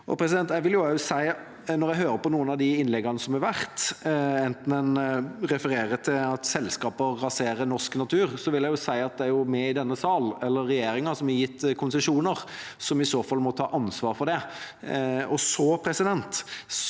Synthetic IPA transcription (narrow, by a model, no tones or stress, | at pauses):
ʔɔ̰pʰɾɛsɪd̪ɛnt̪jɛɪʋɪljʊæʊsæɪ | nɔɾjæɦøːɾəpɔnuːənɑd̪ɪɪnlɛɡɑnəsɔmhɛɾʋæɾt̪ɛnt̪n̩ɛnɾɛfəɾeːɾət̪ʰɪlɑt̪sɛlskɑːpəːɑseːɾənɔsknɑt̪ʰʉːʁsɔʋɪljæɡjʊsæɪɑt̪̚d̪ɛæɾjʊmɛɪd̪ɛnːəsɑːlɛlːəɾːɛjeːɾɪŋəsɔmɛjɪt̪ːkʰʊnsəʂuːnəʁ | sɔmɪsoːfɑlːmɔt̪ʰɑ̰ːʔɑnsʋɑːɾfɔd̪ɛ | ɔsɔpʰɾɛsɪd̪ɛnt̪